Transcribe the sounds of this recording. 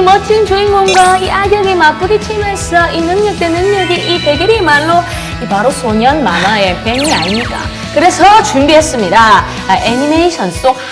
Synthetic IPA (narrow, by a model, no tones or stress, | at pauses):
imʌt͡ɕʰiŋt͡ɕuinɡoŋɡwaiʔaɡjʌɡimap͈uɡit͡ɕʰimeɭs͈ʌʔinɯŋɲʌk̚t͈e̞nɯŋɲʌɡiʔipe̞ɡjʌɾimaɭːo | ipaɾosʰoɲʌnmanaepe̞ŋiaɲiɲida̰ | kɯɾe̞sʰʌt͡ɕumbiɦe̞s͈ɯmɲida | enineiɕʰʌns͈ok̚